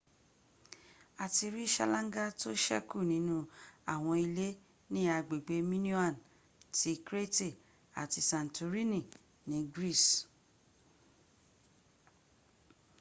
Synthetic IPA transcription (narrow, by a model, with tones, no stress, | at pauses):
a˨ti˧ɾi˦ʃa̰˧lã˦ŋ˦ɡa˦to˦ʃɛ˦ku˦˨nĩ˨˦nũ˦a˦˨w̃ɔ̃˧i˧le˦ | nĩ˦a˧ɡ͡be˨ɡ͡be˨˦mĩ˦nu˦a˦˨n | tʰi˨˦kɾe˦te˦˨ | a̰˨ti˧sã˨n˨tu˧ɾi˦nĩ˦˨ | nĩ˨˦ɡɾi˦˨s